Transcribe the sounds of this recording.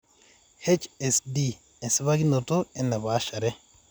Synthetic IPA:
he˦t͡ʃe˨sdi˦ | e˨nsi˦βa˦ɡi˦no˨to˦e˨nːa˨βa˨˦ʃa˨ɾɛ˦

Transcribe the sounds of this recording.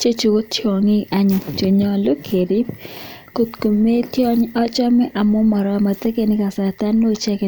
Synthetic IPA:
t͡ʃe˦t͡ʃu˨o˦to˨ŋi˦ʔa˨ɲo˨t͡ʃo˨ɲɔ˦lo˦kʰe˨ɾi˦p | ko˦t̪ko˨me˦tjɔ˦ɲɔ˦t͡ʃɔ˦mɛ˦ʔa˨mɔ˦mɔ˨ɾɔma˨t̪e˦ke˦nɪ˦ka˨sa˨t̪a˦nːo˦t͡ʃɛ˦ke˨

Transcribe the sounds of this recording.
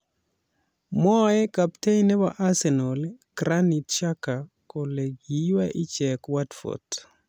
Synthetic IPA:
mɔ˦ɛ˦kapte˦jnɛ˦baʔa˦sɛ˨nɔlkɾani˨tt͡ʃaka˨ | kɔ˨le˨ɡiwaʔi˦t͡ʃɛkwatfo̰t

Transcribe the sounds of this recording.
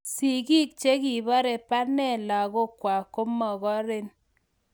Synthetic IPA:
si˨ɡi˦k̚t͡ʃe˦ki˨bɔ˦ɾe˨pa˦nɛ˦˨la˨ɣo˦kwa˨ko˦mɔ˨ɣɔ˦ɾe˦n

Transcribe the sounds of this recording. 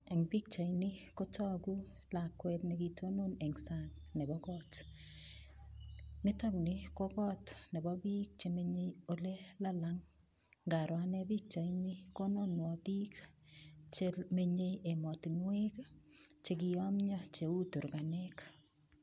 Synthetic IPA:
ɛ˨ŋbi˦k̚t͡ʃa˨jnɪ˦ko˦tɔ˦ɡu˦ | la˨kwɛ˦tne˨ki˨to˦no˦nɛ˨ŋsa˦nnɛ˨bɔkɔt | mɪ˦tɔ˦knɪ˦ko˦kɔ˦tnɛ˨bɔ˦biː˦k̚t͡ʃe˨me˦ɲe˦o˦le˦la˦laŋ | ɡa˨ɾwa˦nɛ˦bi˦k̚t͡ʃa˨inɪ˦ko˦no˦nwɔbi˦k | t͡ʃeme˦ɲe˦je˨mɔ˨tɪ˨ŋwe˦k | t͡ʃe˨kɪ˨ɔ˦mɲɔ˦t͡ʃe˨u˦tu˨ɾka˨nɛ˦k

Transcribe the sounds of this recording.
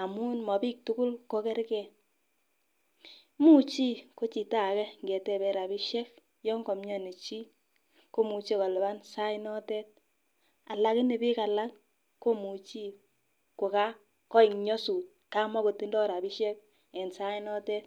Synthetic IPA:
a˨mu˦nmɔ˨pi˦k̚tʊ˦kʊ˦lko˦kɛ˦ɾkɛ˨ | mu˦t͡ʃi˦ko˦t͡ʃi˨ta˦˨kɛ˦ŋɡɛ˨tɛ˨bɛ˨ɾa˨bi˦ʃɛ˦k̚ | jɔ˦ŋɡɔ˨mɲɔ˦ne˨t͡ʃi˦ | ko˦mu˨t͡ʃe˦kɔ˨lɛ˨ba˦nsa˦ɪ˦nɔ˦tɛ˦t̚ | a˨la˦kɪ˦ne˨bi˦ka˨la˦ŋ | ko˦mu˨t͡ʃi˦ | ko˨ka˦ | kɔ˦i˨ŋɲɔ˦su˨t̚ka˦mɔ˦ko˨ti˦ndɔ˦ɾa˨bi˦ʃɛ˦k̚ | ɛ˨nsa˦i˦nɔ˦tɛ˦t̚

